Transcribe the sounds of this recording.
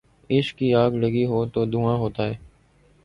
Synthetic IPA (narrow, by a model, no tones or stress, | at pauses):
ɪʃkiːaːɡləɡiːɦoːt̪oːd̪uːãːɦoːt̪aːɦɛː